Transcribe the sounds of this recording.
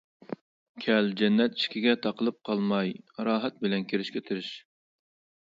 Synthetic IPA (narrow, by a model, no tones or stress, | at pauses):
kʲʰɛld͡ʒɛnːɛt̪i̥ʃkʲiɡʲɛt̪ʰɑqʰəlˠɨp̚qʰɑlˠmɑjɾɑːɦɛt̪̚bɪlɛnkʲʰeɾɪʃkʲɛt̪ʰyɾɪʃ